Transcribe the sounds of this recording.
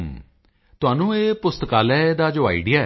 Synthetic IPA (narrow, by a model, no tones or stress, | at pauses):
t̪ʊɦaːnũːeːpʊst̪əkaːlɛːd̪aːd͡ʒoːa̰ːiɖɪjaː